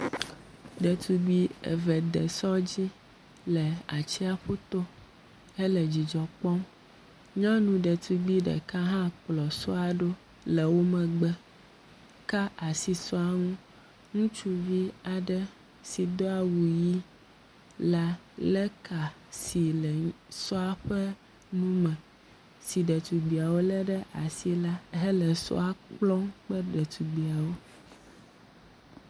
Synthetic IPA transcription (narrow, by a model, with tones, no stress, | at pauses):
ɖɛ˨t̪ʰu˨ɡ͡bi˦ɛ̰˨vɛ˨d̪ɛ˨sɔ˦d͡ʑi˦ | lɛ˨a˨t͡ɕi˦a˦ɸu˦t̪o˦ | ɛ˦lɛ˨d͡ʑi˨d͡ʒɔ˨k͡pɔ˦m | ɲɔ̃˦nũ˨ɖɛ˨t̪ʰu˨ɡ͡bi˦ɖɛ̰˨ka˦ɦã˦k͡plɔ˨sɔ˦a˨ɖo˦ | lɛ˨wo˦mɛ̃˨ɡ͡bɛ˦ | ka˦a˨si˨sɔ˦a˨ŋũ˦ | ŋũ˦t͡ʃu˦vi˦a˨ɖɛ˦ | si˨d̪ɔ˦a˦wu˨ji˦ | la˦ | lɛ˦kʰa˨ | si˨lɛ˨ | sɔ˦a˦ɸɛ˦ | nũ˦mɛ̃˨ | si˨ɖɛ˨t̪u˨ɡ͡bi˨a˨wo˦lɛ˦ɖɛ˦ʔa˨si˦la˦ɦɛ˦lɛ˨sɔ̰˦a˦k͡plɔ˦ŋk͡pɛ˦ɖɛ˨t̪u˨ɡ͡bi˨a˨wo˦